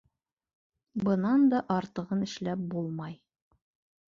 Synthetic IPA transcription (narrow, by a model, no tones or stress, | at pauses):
bɤ̆nɑnd̪ɒʔɑɾt̪ɤ̆ʁɤnɘ̆ʃlæp̚bulˠmɑj